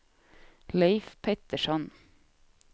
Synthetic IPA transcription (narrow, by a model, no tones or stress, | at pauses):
leɪfpʰɛt̪əʃɔn